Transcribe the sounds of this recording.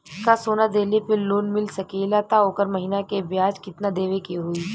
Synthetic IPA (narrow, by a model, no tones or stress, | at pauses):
kasoːnad̪eːlepɪɾloːnmɪlsɐkeːlat̪aoːkəɾmɐɦinakebjaːd͡ʒkɪt̪nad̪eːʋekeɦʊiː